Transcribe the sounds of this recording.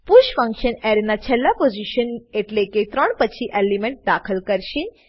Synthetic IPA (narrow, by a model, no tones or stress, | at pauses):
puʃfə̃ŋkʃəneɾnat͡ʃʰɛlːapod͡ʒiʃəneʈleket̪ɾəɳpət͡ʃʰiʔelimeɳʈ̚d̪akʰəlkəɾʃe